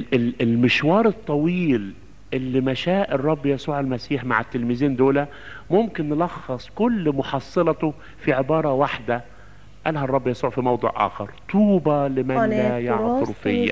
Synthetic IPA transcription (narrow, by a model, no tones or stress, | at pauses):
ɪlɪlmɪʃwɑːɾˤɨt̪ˤːɑwiːl | ʔɪlːimæʃæːʔɨrˤːɑbːjæsuːʕalmæsiːħma̰ʕɪt̪ːɪlmɪziːnd̪oːlæ | mʊmkɪnːlɑxːɑsˤkʊlːmʊħɑsˤːɨlɑt̪ʊ | fiʕɪbɑːɾˤɑwaħd̪æ | ʔælɦærˤːɑbːjæsuːʕfimɑwd̪ˤṵːʕʔa̰ːxɑɾˤt̪ˤuːbɑlɪmænlæjɑʕt̪ʊɾfɪjːæ̰